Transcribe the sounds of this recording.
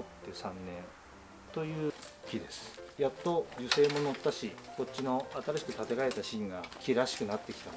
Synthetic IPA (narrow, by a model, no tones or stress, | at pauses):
ot̪ːe̞sãnːẽ̞n | t̪o̞jɯ̟ːkʲid̪e̞sɨ̥jat̪ːo̞jɯse̞ːmo̞no̞t̪ːaɕiko̞t͡ɕːino̞at̪aɾaɕi̥kɯ̟t̪at̪e̞ɡae̞t̪aɕĩŋɡakʲiɾaɕi̥kɯ̟nat̪ːe̞kʲi̥t̪a